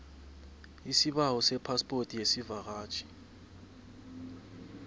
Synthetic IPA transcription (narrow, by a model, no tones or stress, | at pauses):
isiɓawɔsɛpʰaspʼortʼijesivaɣ̬aːt͡ʃʼʰi̥